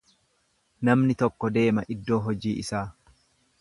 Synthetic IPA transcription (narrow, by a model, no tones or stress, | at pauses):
nɐmnɪt̪ɔkːɔd̪e̞ːmɐʔɪd̪ːo̞ːɦɔd͡ʒiːʔɪsaː